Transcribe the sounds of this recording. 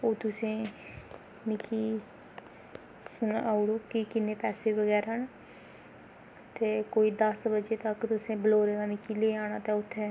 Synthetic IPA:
oːt̪ʊsẽː | nɪkiː | sʊnaːʊɽoːkɪkɪnːeːpɛːseːʋəɡɛːɾɦən | t̪eːkoːiːd̪əsbəd͡ʒeːt̪əkt̪ʊsẽːbəloːɾeːd̪aːnɪkiːleːaːɽ̃aːt̪eːʊt̪ʰːeː

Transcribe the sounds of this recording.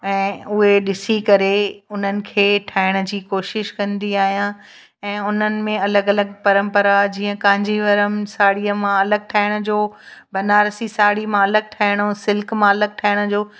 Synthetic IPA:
ɛ̃ːʊɦeɗɪsikɐɾeʊn̤ənɪ̆kʰeːʈʰaːɪɽ̃ə̆d͡ʑiːkoːʃɪʃkɐ̃nd̪iaːɦijã | ɛ̃ːʊn̤ənɪ̆mẽɐləɡɐləɡ̚pɐɾə̃mpəɾad͡ʑĩːə̃kãːɪ̃ɲd͡ʑiʋɐɾəmsaːɽiəmãɐləɡ̚ʈʰaːɪɽ̃ʊ̆d͡ʑoːbɐnaːɾsisaːɽimãɐləɡ̚ʈʰaːɪɽ̃osɪlkmãɐləɡ̚ʈʰaːɪɽ̃ʊ̆d͡ʑoː

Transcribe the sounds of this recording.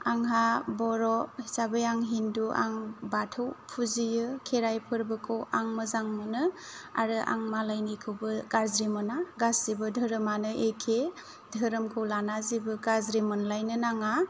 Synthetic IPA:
aŋɦabɔɾɔhisabɯjaŋɦinduʔa̰ŋbatʰɯwpʰuzijɯkʰeɾajpʰɯɾbɯkʰɯwaŋmɯzaŋmɯnɯa̰ɾɯʔa̰ŋmalajnikʰɯwbɯɡ̥aɾzɾimɔnaɡasibɯdʱɯɾɯmanɯʔekʰe | dʱəɾɯmkʰɯwlanazibɯɡazɾimɔnlajnɯnaŋa

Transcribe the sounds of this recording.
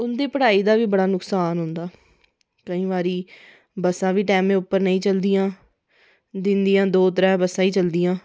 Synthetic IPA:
ʊnd̪eːpəɽaːiːd̪aːʋiːbəɽaːnʊksaːnɦʊnd̪aː | kəĩːʋaːɾiː | bəsãːʋiːʈɛːmẽːʊpːəɾnəĩːt͡ʃəld̪ɪjãː | d̪ɪnd̪ijãːd̪oːt̪əɾɛ̃ːbəsãːiːt͡ʃəld̪ɪjãː

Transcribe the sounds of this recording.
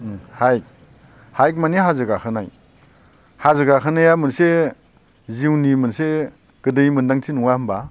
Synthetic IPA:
hajk̚ | hajk̚maniɦazɯɡakʰɯnaj | hazɯɡakʰɯnajamɯnse | ziwnimɯnse | ɡ̥ɯdɯjmɯndaŋtʰinuŋahɯmba

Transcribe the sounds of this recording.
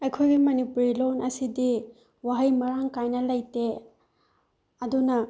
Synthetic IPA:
ɐjkʰojɡimɐnipuɾilonʔɐsidi | waɦɐjmɐɾaŋkajnɐlɐjte | ɐdunɐ

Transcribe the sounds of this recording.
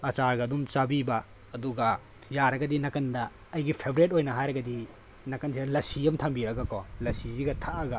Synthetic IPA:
ɐt͡ʃaɾɡɐːdumt͡ʃabibɐ | ɐduɡɐ | jaɾɐɡɐdinɐkɐndɐː | jɡipʰebʱɾet̬̚ojnɐɦajɾɐɡɐdi | nɐkɐnsʰidɐlɐsiɐmtʰambiɾɐɡɐkɔlɐsiziɡɐtʰaʔɐɡɐ

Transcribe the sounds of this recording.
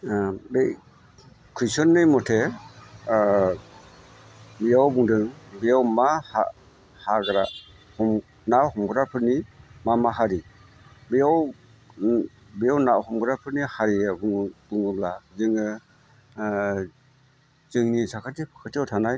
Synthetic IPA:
be | kʰɾisɔnːɯjmɔtʰe | bijawbuŋdɯŋbijawmaha̰ | haɡɾa | hɔm | nahɔmɡɯɾapʰɯɾnimamaɦaɾi | bijaw | bijawnahɔmɡɾapʰɯɾnihaɾiabb̥ɯŋɯblazɯŋɯ | z̥ɯŋnisakʰatipʰɯ̥kʰɯtʰiawtʰanaj

